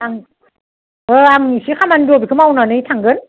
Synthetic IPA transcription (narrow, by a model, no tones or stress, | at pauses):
aŋ | ʔəːaŋsixaːmandubkʰɨmawnɔnəjt̪ʰaŋɡən